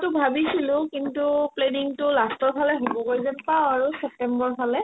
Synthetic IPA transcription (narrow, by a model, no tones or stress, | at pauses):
tʊbʱabisilʊ̃kintupleniŋtʊlastɔɹpʰalɛɦobɔkoɹzɛnpawaɹusɛp̚tɛmbɔɹpʰalɛ